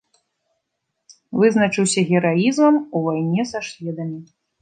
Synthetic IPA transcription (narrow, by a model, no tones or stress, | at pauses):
vɨznɐt͡ʂɨwsʲɐɣʲɛɾajizmɐmuvajnʲɛsaʂlʲɛd̪ɐmʲi